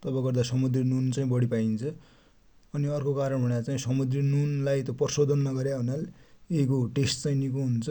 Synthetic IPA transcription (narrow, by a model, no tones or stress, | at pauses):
t̪ʌbʌ̃ɡʌrd̪asʌmud̪rinunt͡saĩbʌɽipaint͡sʰʌ | ʌniʌrkokaɾʌɳbʱʌɽ̃jat͡saĩsʌmud̪rinunlajt̪ʌprʌsod̪ʱʌnːʌɡʌɾjaɦunaleikoʈesʈt͡sajnikoɦunt͡sʰʌ